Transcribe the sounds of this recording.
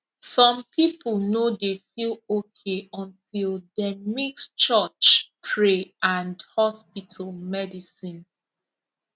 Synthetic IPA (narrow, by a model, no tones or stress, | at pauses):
sɔ̃mpʰipəlnodefilokʰeɔ̃ntʰilˠdemikst͡ʃət͡ʃpʰɹeãndhɔspitʰəlmɛdisĩn